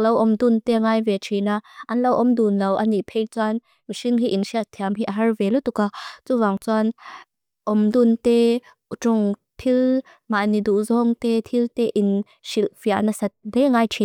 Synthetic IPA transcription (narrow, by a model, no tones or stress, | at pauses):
lɐwʔɔmd̪unt̪ɛŋaːjvɛt͡ʃʰinaʔɐnlowʔɔmd̪unlɐwʔɐnipʰɛjt͡swan | miʃiŋɦiʔinʃiaʔt̪ʰiamɦiʔaɦɐrvɛlut̪ukat͡suvaŋt͡suan | ʔɔmd̪unt̪ɛ | ʈ͡ʂuŋ | t̪ʰil | manid̪uʔzɔŋt̪ɛt̪ʰilt̪ɛʔin | ʃilfiaʔnasɐt̪̚lɛŋaːjt͡ʃʰi